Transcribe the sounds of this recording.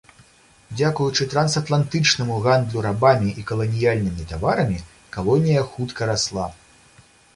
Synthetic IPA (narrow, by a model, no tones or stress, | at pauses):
d͡zʲakujut͡ʂɨt̪ɾɐnsɐt̪lˠant̪ɨt͡ʂnɐmuɣand̪lʲuɾabamʲiʔikɐlˠɐnʲijalʲnɨmʲit̪avaɾɐmʲi | kalˠɔnʲijɐxut̪kɐɾaslˠa